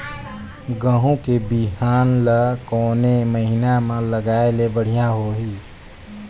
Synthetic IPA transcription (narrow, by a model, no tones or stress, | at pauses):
ɡəɦõkebiɦaːnləkɔːneməɦinamẽləɡaːelebəɽ̤ijaɦoɦiː